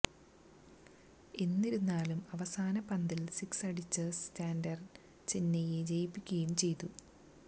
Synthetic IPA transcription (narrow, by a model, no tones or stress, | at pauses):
e̞nːiɾunːaːlumɐʋɐsaːnɐpɐnd̪ilsiksɐɽit͡ɕːɨstaːndɐr | t͡ɕenːɐjed͡ʑejipːikʲːɐjumt͡ɕe̞jt̪u